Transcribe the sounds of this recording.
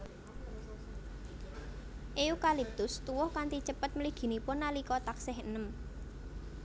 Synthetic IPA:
ʔeukalip̚t̪ʊst̪uwʊhkant̪it͡ʃəpət̪̚məliɡ̥i̤nipʊnːalikɔt̪aksɛhənəm

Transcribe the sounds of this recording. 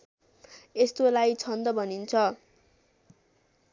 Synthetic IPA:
est̪olajt͡sʰʌnd̪ʌbʱʌnint͡sʰʌ

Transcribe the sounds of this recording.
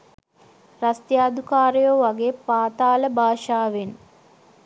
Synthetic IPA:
rast̪jaːd̪ukaːɾejoʋaɡeːpaːt̪aːləbʱaːʃaːʋen

